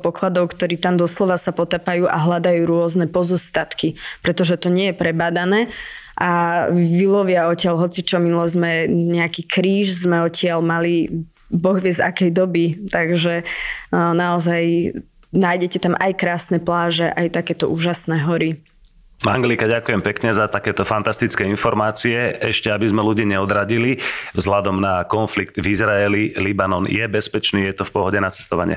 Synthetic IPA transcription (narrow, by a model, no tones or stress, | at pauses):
pɔklad̪ɔʊkt̪ɔɾiːt̪amd̪ɔslɔʋasapɔt̪apajuːʔa̰ɦlad̪ajuːɾʊɔznɛpɔzɔst̪at̪kipɾɛt̪ɔʒɛt̪ɔɲɪɛjɛpɾɛbad̪anɛː | ʔaʋilɔʋɪaɔcɪalɦɔt͡sit͡ʃɔminulɛzmɛɲɛakiːkɾiːʃzmɛɔcɪalmali | bɔɣʋɪɛza̰kɛjd̪ɔbit̪aɡʒɛ | naɔzaj | naːjɟɛcɛt̪amʔajkɾaːsnɛplaːʒɛʔajt̪akɛːt̪ɔuːʒasnɛːɦɔɾi | maŋɡlikaɟakujɛmpɛkɲɛzat̪akɛːt̪ɔfant̪ast̪it͡skɛːinfɔɾmaːt͡siɛɛʃcɛabizmɛluɟiːɲɛɔd̪ɾaɟilivzɦlad̪ɔmnakɔnfliɡ̚t̪vizɾaɛlilibanɔnjɛbɛspɛt͡ʃniːjɛt̪ɔfpɔɦɔɟɛnat͡sɛ̥st̪ɔʋa̰ɲɪɛ̰